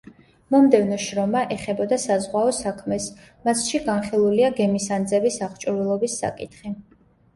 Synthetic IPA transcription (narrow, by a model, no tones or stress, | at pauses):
mɔmd̪ɛvnɔʃɾɔmaʔɛχɛbɔd̪asazʁwaɔsakʰmɛs | masʃiɡanχilˠuliaɡɛmisand̪zɛbisaʁt͡ʃʼuɾilˠɔbisːa̰kʼit̪ʰχi